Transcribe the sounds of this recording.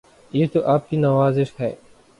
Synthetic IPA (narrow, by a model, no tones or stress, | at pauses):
jeːt̪oʔaːp̚kinaʋaːzɪʃɦɛ̰ː